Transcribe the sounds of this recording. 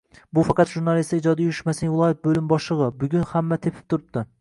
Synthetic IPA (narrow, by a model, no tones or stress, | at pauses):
bufɑqɑt̪ʒuɾnɑlˠist̪id͡ʒɑd̪ɛjuɾyʃmɛsnɪvɪlˠɑjɛt̪̚bølɪmbɑʃlˠɨʁɑbʊɡʲynhæmːɛt̪ʰepʰɪ̥p̚t̪ʰʊɾɨp̚t̪ʰɨ